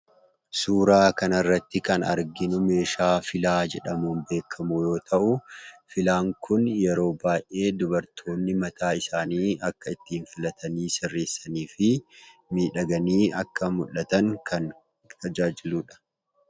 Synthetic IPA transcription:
suːɾaːkɐnɐrːɐt̪ːɪkɐnɐ̰ɾɡɪnʊme̞ːʃaːfɪlaːd͡ʒɛᶑɐmuːnbe̞ːkʰːɐmʊjo̞ːt̪ʰɐʔʊfɪlaːŋkʊnjɛɾo̞ːbaːjʔe̞ːd̪ʊbɐɾt̪ʰo̞ːnːɪmɐt̪ʰaːɪsaːniːɐkːɐɪt̪ːiːnfɪlɐt̪ʰɐniːsɪrːe̞ːsːɐniːfɪmiːᶑɐɡɐniːɐkːɐmʊlːɐt̪ɐŋkʰɐn | t̪ɐd͡ʒaːd͡ʒɪluːᶑɐ̥

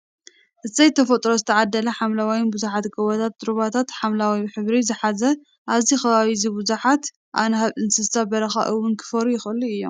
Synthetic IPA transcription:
ʔɨt̪zɐjt̪ʰɐfɐt̪ʼɾozɨt̪ʰɐʕad̪ːɐlɐħamlawajɪnbuzuħat̪ɡɐwɐt̪ʰat̪̚ːɨɾuβat̪ʰat̪ħamlawiħɨβɾizɨħazɐ | ʔaβzixɐβaβizibuzuħat̪ | ʔa̰nɐɦaβɨnsɨst̪abɐɾɐxa̰ʔɨwʊnkʰɨ̥fɐɾujɪxɨlːuɨjːo̞̰m

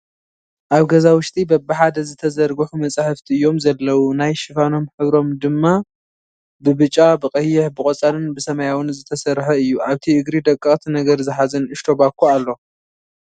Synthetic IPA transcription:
ʔaβɡɐzawʊʃt̪ʼibɐbɨħad̪ɐzɨt̪ʰɐzɐɾɡɨħumɐt͡sʼaħɨft̪ʰiɨjːo̞mzɐlːɐwunajʃɨfano̞mħɨβɾo̞md̪ɨmːa | bɨβɨt͡ʃʼːabɨqʼɐjːɪħbɨkʼot͡sʼalɨnbɨsɐmɐjawɨnzɨt̪ʰɐsɐɾħɐɨjːuʔaβt̪ʰiʔɨɡɾid̪ɐkʼːɨχʼt̪ʰinɐɡɐɾzɨħazɐnɨʃt̪ʰo̞bakʰːualːo̞

